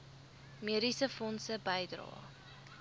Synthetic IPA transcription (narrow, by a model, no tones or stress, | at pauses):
miəɾisəfɔnsəbəjdrɑ̰ː